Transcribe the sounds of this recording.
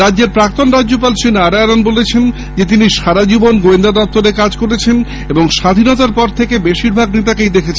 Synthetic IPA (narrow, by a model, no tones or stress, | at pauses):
ɾadːʑeɾpɾak̚t̪onɾadːd͡ʑopalʃenaɾaɛɾonbolet͡ɕʰen | d͡ʑet̪̬iniʃaɾad͡ʑibonɡoend̪ad̪ɔp̚t̪oɾekad͡ʑkoɾet͡ɕʰen | eboŋʃad̪ʱinɔt̪aɾpɔɾt̪ʰekebeʃiɾbʱaɡnit̪̬akejd̪ekʰet͡ɕʰen